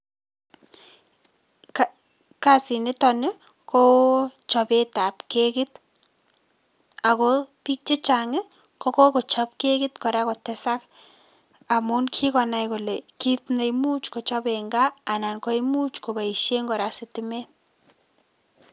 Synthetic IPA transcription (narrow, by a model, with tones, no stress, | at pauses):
ka˦si˨nɪ˦tɔ˨nɪ˦ | ko˦t͡ʃɔ˨be˦ta˨pke˦kɪ˦t | a˨ko˦pi˦k̚t͡ʃe˦t͡ʃaŋɪ˦ | ko˦ko˦ko˨t͡ʃa˦p̚ke˦kɪ˦tkɔ˨ɾa˦kɔ˨tɛsa˦k | a˨mu˦nkʰi˦kɔ˨na˨jko˨leki˦tne˨jmu˦t͡ʃko˨t͡ʃɔ˦beŋɡaː˦˨na˨nkɔ˦jmu˦t͡ʃko˨ba˨i˨ʃe˦ŋɡɔ˨ɾasɪ˨tɪme˦n